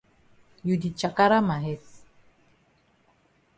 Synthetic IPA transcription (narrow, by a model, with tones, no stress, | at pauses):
ju˨di˨t͡ʃa˨ka˦ɾa˦ma˨ɦɛ˦t